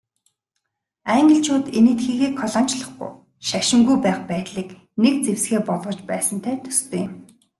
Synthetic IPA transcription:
æŋɡə̆ɬt͡ɕʰoːt̪enĕt̪xiːɣeːkʰɔɮɔnt͡ɕɮə̆χɡṵ̆j | ʃaʃɪ̆ŋɡujpæːχpæːt̪ɮiːk | nek̚t͡sewsɡeːpɔɮʁɞ̆t͡ɕpæːsə̆nt̪ʰæːt̪ʰɵ̥st̪ʰeːjɪm

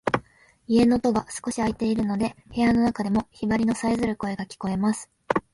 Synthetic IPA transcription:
ie̞no̞t̪o̞ɡasɨ̥ko̞ɕiait̪e̞iɾɯ̟no̞d̪e̞he̞jano̞nakad̪e̞mo̞çibaɾʲino̞saizɨɾɯ̟ko̞e̞ɡakʲi̥ko̞e̞masɨ̥

